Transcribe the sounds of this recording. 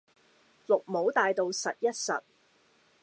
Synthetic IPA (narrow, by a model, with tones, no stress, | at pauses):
lʊ˨k̚mo˨˥wt̪aː˨jt̪o˨˧wsɐ˨t̚jɐ˥t̚sɐ̰˨t̚